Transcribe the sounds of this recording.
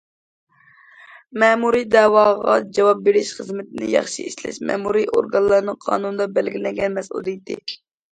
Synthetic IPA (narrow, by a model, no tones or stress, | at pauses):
mɛːmuɾid̪ɛwɑʁɑ̰d͡ʒɑwɑp̚beɾɪʃχəzmɪt̪ɪnɪ̰jɑ̰χʃiiʃlɛ̰ʃmɛ̰muɾiʔo̰ɾɡɑnlˠɑɾnɨŋqʰɑ̰ːnunɨd̪ɑbælɡʲilɛŋɡʲɛnmɛsṵlˠit̪ʰɪ